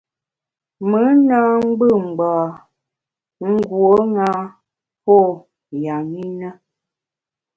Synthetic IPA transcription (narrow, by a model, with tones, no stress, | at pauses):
mə˨˦na˦ŋ͡m̩˦ɡ͡bə˦˨ŋ͡m̩˨ɡ͡ba˨ | ŋ̩˦ɡwo˦ŋa˦ | pɔ˦˨ | ja˨mi˦nə˦